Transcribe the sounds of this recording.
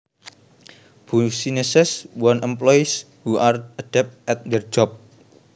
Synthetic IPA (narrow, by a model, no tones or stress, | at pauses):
b̥usinɛsɛswɔnʔɛmplɔjis | huʔarad̥ɛp̚t̪ʔɛt̪̚d̪ɛrd͡ʒɔp̚